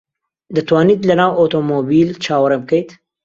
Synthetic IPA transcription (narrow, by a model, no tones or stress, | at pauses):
d̪ət̪wɑnid̪lɐnawot̪omobilt͡ʃaːwɾemkəjt̪